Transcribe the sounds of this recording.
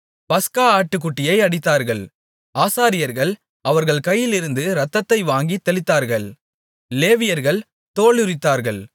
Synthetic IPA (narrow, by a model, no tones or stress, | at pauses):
pɐskaːaːʈːɯk̬ːʊʈːɪjɐɪɐɽɪt̪ːaːɾɣɐɭ | aːsaːɾɪjɐɾɣɐɭ | ɐʋɐɾɣɐɭkɐjːɪlɪɾɯnd̪ɯɾɐt̪ːɐt̪ːɐɪʋaːŋɡit̪ːɛlɪt̪ːaːɾɣɐɭ | leːʋɪjɐɾɣɐɭ | t̪oːɭʊɾɪt̪ːaːɾɣɐɭ